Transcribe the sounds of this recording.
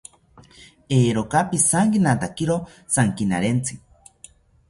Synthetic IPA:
eːɾokapisaŋkinat̪akiɾo | saŋkina̰ɾent͡sʰi

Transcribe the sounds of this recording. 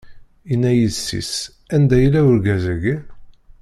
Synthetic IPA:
inːæjiðsːḭs | ænd̪æjəlːæwʊɾɡæzæɡi

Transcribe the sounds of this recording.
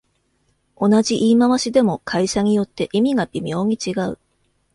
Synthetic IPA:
o̞nad͡ʑiʔiːmaβaɕid̪e̞mo̞kʰaiɕaɲ̟ijo̞t̪ːe̞ʔimʲiɡabʲimʲo̞ːɲ̟it͡ɕiɡaɯ̟̰

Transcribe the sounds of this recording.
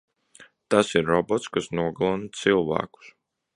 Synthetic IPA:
t̪asiɾːɔbɔt̪skasnuɔɡlˠɔnt̪silˠva̰ːku̥s

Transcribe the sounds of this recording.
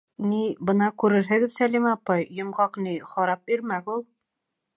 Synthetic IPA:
nibɤ̆nɑkʉɾɘɾɦɘ̆ɡɘðsælimɑpːɑjːŏmʁɑqniχɑɾɑp̚biɾmæɡulˠ

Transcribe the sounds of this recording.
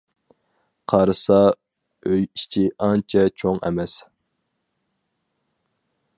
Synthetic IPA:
qʰɑɾɨsɑ | øjit͡ʃʰiʔɑnt͡ʃʰɛt͡ʃʰoŋɛ̰mɛs

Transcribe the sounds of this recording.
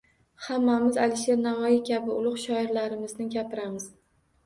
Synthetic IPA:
hamːamɪzalɪʃe̞ɾnavɒjɪkʲʰabɪʊlˠʊqʃɒɪɾlaɾɪmɪznɪɡʲapɪɾamɪz̥

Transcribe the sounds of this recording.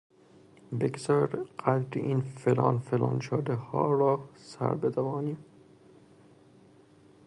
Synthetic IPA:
beɡzɒːɾɢ̥æd̪ɾiʔiːnfelɒ̰ːnfelɒ̰ːnʃod̪ehɒ̰ːɾɒːsæ̰ɾbet̪ʰævɒːniː

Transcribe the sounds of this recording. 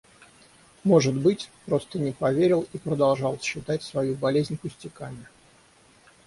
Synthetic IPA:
mo̞ʐɨd̪bɨtʲpɾo̞st̪ənʲɪpɐvʲeɾʲɪlˠipɾəd̪ɐlˠʐɑlˠsɕːɪt̪atʲsvɐjubɐlʲezʲnʲpʊsʲtʲɪkamʲɪ

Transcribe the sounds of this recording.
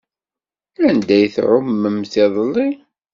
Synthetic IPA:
ænd̪æjθʕʊmːəmθɪðˤlːi

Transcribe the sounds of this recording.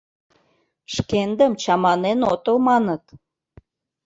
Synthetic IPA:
ʃkend̪əmt͡ɕɑmɑnenot̪omɑnə̆t̪

